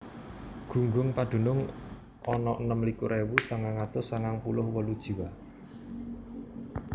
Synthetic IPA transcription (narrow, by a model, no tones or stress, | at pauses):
ɡ̥ṳŋɡʊŋpad̪̥ṳnʊŋ | ʔɔnɔʔənəmlikuɾʔewusaŋaŋat̪ʊsaŋaŋpulʊhwəlud̥ʒ̥i̤wa